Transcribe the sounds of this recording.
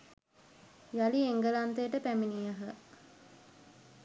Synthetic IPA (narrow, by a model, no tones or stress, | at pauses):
jalieŋɡəlant̪ejəʈəpæminijaɦə